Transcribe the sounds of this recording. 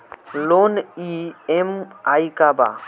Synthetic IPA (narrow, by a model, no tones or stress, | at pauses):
loniemajkaba̰